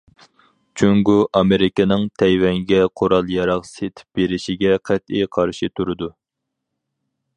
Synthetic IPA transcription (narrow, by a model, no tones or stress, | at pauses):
t͡ʃʰyŋɡuʔɑmeɾɪkʲɪnɨŋt̪ʰɛjwɛŋɡʲɛqʰoɾɑlˠjɑɾɑqset̪ʰɪ̥p̚b̥eɾɪʃiɡʲɛqʰæt̪̚ijqʰɑɾʃit̪ʰuɾɨd̪u